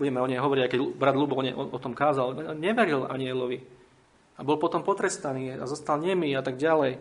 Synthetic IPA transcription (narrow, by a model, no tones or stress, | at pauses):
buɟɛmɛɔɲɛjɦɔʋɔɾiɟaɪkɛɟbɾad̪lubɔɔɲɛ̰ʔɔʔɔt̪ɔmkaːzalɔɲɲɛʋɛɾila̰ɲiɛlɔʋi | abɔlˠpɔt̪ɔmpɔt̪ɾɛst̪aniːa̰zɔst̪alɲɛmiat̪aɡɟalɛj